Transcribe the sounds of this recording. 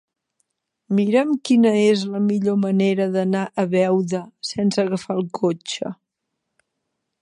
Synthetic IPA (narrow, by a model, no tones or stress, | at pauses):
miɾəmkinəezləmiʎoməneɾəðənaʔəβɛwðəsɛnsəɣəfalˠkʰot͡ʃə̰